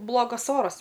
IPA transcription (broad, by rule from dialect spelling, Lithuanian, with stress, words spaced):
ˈblˠoːɡɐs ˈoːrɐs